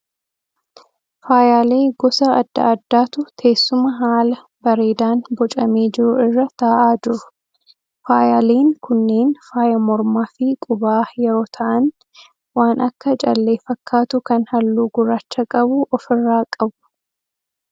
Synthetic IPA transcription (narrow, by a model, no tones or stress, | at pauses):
faːjaːle̞ːɡɔsɐɐd̪ːɐ̰ɐd̪ːaːt̪ʊt̪ʰe̞ːsːʊmɐɦaːlɐ | bɐɾe̞ːd̪aːnbɔt͡ʃʼɐmeːd͡ʒɪɾʊɪrːɐt̪aːʔaːd͡ʒɪɾʊ̥ | faːjaːleːŋkʊnːe̞ːnfaːjɐmɔɾmaːfɪkʼʊbaːjɛɾo̞ːt̪ʰɐʔɐn | waːnʔɐkːɐt͡ʃʼɐlːe̞ːfɐkʰːaːt̪ʊkɐnhɐlːuːɡʊɾaːt͡ʃːɐkʼɐbʊʔɔfɪrːaːkʼɐbʊ̥